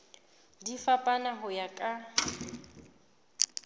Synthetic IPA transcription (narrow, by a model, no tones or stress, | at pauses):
difapʼanaɦʊjakʼa